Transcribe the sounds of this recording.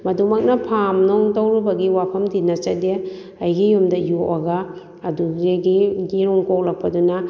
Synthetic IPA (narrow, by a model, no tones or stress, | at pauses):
mɐdumɐk̚nɐpʰamnɔŋtowɾubɐɡiwapʰɐmdinɐt͡ʃɐde | ɐjɡijumdɐjuʔɐɡɐː | duzeɡiɡiɾɔŋkok̚lɐk̚pɐdunɐ